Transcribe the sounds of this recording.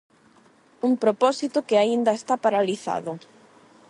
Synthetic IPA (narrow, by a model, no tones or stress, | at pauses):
uŋpɾopɔsit̪ʊkɪaind̪ɐest̪apaɾaliθa̰ðʊ